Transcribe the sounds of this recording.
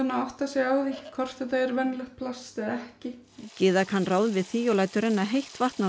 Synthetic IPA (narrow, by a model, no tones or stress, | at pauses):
anːaawht̪asjɛɣaːwðikʰɔr̥t̪θɛt̪̬aɛɾvɛnːlɛxt̪̚pʰlast̪ɛðɛhcɪ | cɪːðakhanːraːwðvɪðθiːjɔwlaːjt̪ʏɾɛnːaɦejht̪var̥t̪na